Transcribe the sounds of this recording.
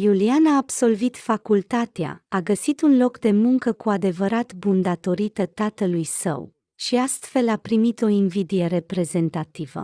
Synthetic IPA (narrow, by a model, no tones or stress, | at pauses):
julianaːbso̞lvit̪fakult̪at̪ea̰aɡəsit̪unlo̞kd̪e̞muŋkəkuad̪e̞vəɾat̪bund̪at̪o̞ɾit̪ət̪at̪əlujsə̰w | ʃiast̪fe̞lapɾimit̪o̞invid̪ijeɾe̞pɾe̞ze̞nt̪at̪ivə̰